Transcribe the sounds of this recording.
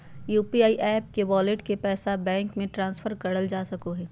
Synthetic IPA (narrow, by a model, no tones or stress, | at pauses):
juːpiaːiʔɛːp̚keʋɔːlɪʈkepɛːsabɛ̃ːŋkmẽʈɾãːnsfʰəɾkɐɽəld͡ʒaːsɐkoɦɛː